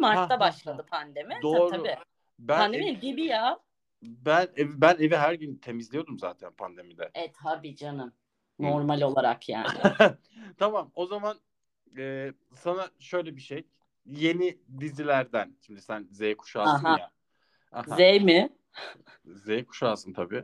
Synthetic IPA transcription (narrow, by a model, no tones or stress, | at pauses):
maɾʰabaʃlˠad̪ɯpʰand̪e̞mid̪o̞ːɾʰaui | bæand̪emibibija | bænevbæne̞viɦæɾɟynt̪ʰe̞mizlʲijo̞d̪umza̰ːt̪ʰænpʰa̰nd̪e̞mid̪ɛɛt̪abid͡ʒanɯm | noɾmalʲo̞lˠaɾakʰja̰ː | t̪ʰamamo̞zaman | ɛ | sanaʃø̞jlʲebiʃej | je̞nid̪izilʲæɾd̪ænʃimd̪isænzejkʰu̥ʃaːɯnaja | a̰hazejmɪ | zejkʰu̥ʃaːsɯnt̪ʰabḭː